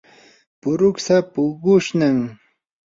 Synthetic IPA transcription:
pʊɾʊksapʊɡʊʃnaŋ

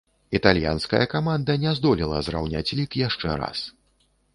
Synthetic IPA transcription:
it̪alʲja̰nskɐ̰jɐkamand̪ɐnʲɛzd̪ɔlʲilˠɐ̰zra̰wnʲat͡sʲlʲikjaʂt͡ʂɛ̰ɾa̰s

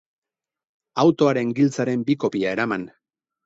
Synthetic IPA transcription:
awt̪o̞aɾe̞ŋɡilt͡saɾe̞mbiko̞piae̞ɾaman

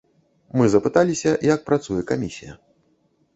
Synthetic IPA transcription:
mɨzɐpɨt̪alʲisʲɐjak̚pɾat̪sujɛkamʲisʲijɐ̰

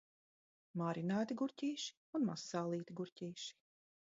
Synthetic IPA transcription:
maːɾinaːt̪iɡuɾʲcʲiːʃi̥ | unmasːaːlˠiːt̪iɡuɾʲcʲiːʃi̥

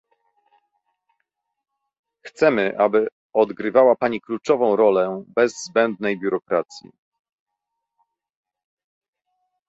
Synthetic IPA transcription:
xt̪sɛmɘʔabɘ | ɔd̪ɡɾɘvawapaɲiklut͡ʂɔvɔ̃w̃ɾɔlɛbɛzzbɛnd̪nɛjbʲjuɾɔkɾat̪sʲjḭ

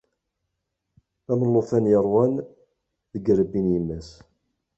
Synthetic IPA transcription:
æmənːoθænjəɾˤwæn | ðəɡɾəbːinjəmːæs

